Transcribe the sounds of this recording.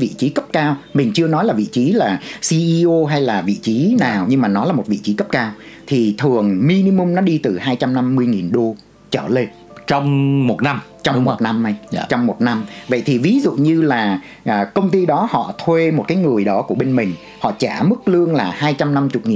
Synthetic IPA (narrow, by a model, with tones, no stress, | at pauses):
vḭ˧˨t͡ɕi˨˦kə˦˥p̚kaː˧wmï˨˩ŋ̟t͡ɕɨ˧ənɔ˨˦jlaː˨˩vḭ˧˨t͡ɕi˨˦laː˨˩si˧ʔi˧ʔo˧ɦa˧jlaː˨˩vḭ˧˨t͡ɕi˨˦naː˨˩wɲɨ˧ŋmaː˨˩nɔ˨˦laː˨˩mo˨˩t̚vḭ˧˨t͡ɕi˨˦kə˦˥p̚kaː˧wt̪ʰi˨˩t̪ʰɨ˨˩əŋmi˧ni˧mʊ˧ŋ͡mnɔ˨˦ɗi˧t̪ɨ˨˩haː˧jt͡ɕa˧mna˧mːɨ˧əjŋi˨˩nɗo˧ | t͡ɕəː˧˩le˧n | t͡ɕɔ˧wŋ͡mmo˨˩t̚na˧mt͡ɕɔ˧wŋ͡mmo˨˩t̚na˧mʔa˧jt͡ɕɔ˧wŋ͡mmo˨˩t̚na˧mvə̰˧˨jt̪ʰi˨˩vi˨˦zṵ˧˨ɲɨ˧laː˨˩ | ʔkə˧wŋ͡mt̪i˧ɗɔ˨˦hɔ̰˧˨t̪ʰwe˧mo˨˩t̚kaː˨˦jŋɨ˨˩əjɗɔ˨˦ku˧˩əɓe˧nmï˨˩ŋ̟ | hɔ̰˧˨t͡ɕaː˧˩mɨ˦˥k̚lɨ˧əŋlaː˨˩haː˧jt͡ɕa˧mna˧mt͡ɕʊ˨˩k͡p̚ŋi˨˩